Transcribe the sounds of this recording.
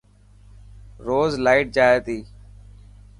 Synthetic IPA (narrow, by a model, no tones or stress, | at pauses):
ɾoːzlaːɪʈ̚d͡ʒaːeːt̪iː